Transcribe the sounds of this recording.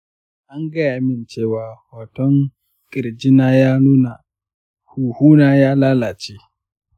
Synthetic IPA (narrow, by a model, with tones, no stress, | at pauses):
ʔa˦ŋɡɐ˦˨ʔa˦mɪ˨nt͡ʃeː˦˨waː˨haː˨tɔ˦ŋ | kʼɪ˨ɾd͡ʒɪ˦naː˦jaː˦nuː˦na˨ | huː˨huː˦naː˦jaː˦laː˦laː˨t͡ʃeː˦